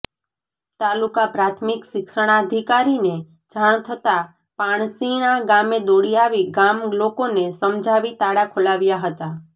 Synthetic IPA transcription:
t̪alukapɾat̪ʰmikʃɪkʃəɽ̃aəd̪ʱikaɾine | d͡ʒʱaɳ̃t̪ʰət̪a | paɳ̃siɳãɡamed̪oɽijaʋiɡamlokonesəmd͡ʒʱaʋit̪aɽakʰulaʋjaɦət̪a

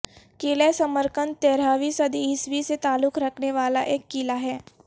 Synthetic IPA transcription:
kɪːlesɐməɾkənt̪ɛːɾaːʋisɐd̪iɦɪsʋiset̪aːlʊkɾɐkʰneʋaːla̰ʔeːkːilaɦɛː

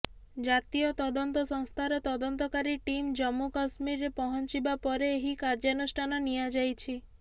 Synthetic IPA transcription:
d͡ʒat̪ijɔt̪ɔd̪ɔnt̪ɔsɔ̃ŋst̪ʰaɾɔt̪ɔd̪ɔnt̪ɔkaɾiʈimd͡ʒɔmːukasmiɾːepɔɦɔnt͡ʃibapɔɾeːɦikaɾd͡ʒanusʈʰanɔnijad͡ʒajt͡ʃʰi

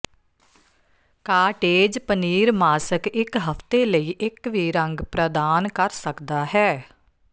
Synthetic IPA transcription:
kaːʈeːd͡ʒpəniːɾmaːsəkɪkɦəpt̪eːləiːʔɪkʋiːɾə̃ŋɡpɾəd̪aːnkəɾsəkd̪aːɦɛː

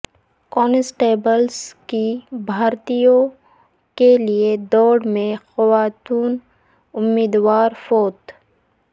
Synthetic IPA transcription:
kɔːnɪsʈeːbəlskibʱaːɾt̪ijõ | kelied̪ɔːɽmẽxɐwaːt̪uːn | ʊmːiːd̪waːɾfoːt̪

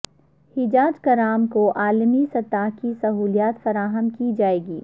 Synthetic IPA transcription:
hɪd͡ʒaːd͡ʒkɐɾaːmkoʔaːlmisɐt̪aːɦkisɐɦuːlijaːt̪fɐɾaːɦəmkid͡ʒaːeːɡiː

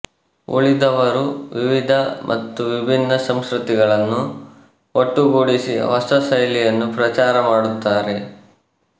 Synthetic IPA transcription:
ʔo̰ɭid̪ɐʋɐɾuʋiʋid̪ʱɐmʔɐ̰t̪ːuʋibʱinːɐsɐmskɾut̪iɡɐɭɐnːu | oʈːuɡoːɽisḭʋɐst̪ɐsɐjlijɐnːupɾɐt͡ʃaːɾɐmaːɽut̪ːaːɾe̞

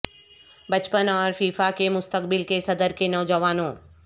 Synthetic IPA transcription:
bɐt͡ʃpənɔːɾfiːfakemʊst̪əkbɪlkesɐd̪əɾkenɔːd͡ʒəʋaːnõː

